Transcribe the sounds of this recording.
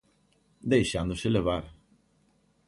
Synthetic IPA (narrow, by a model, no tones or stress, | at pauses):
d̪ejʃand̪ʊʃelevaɾ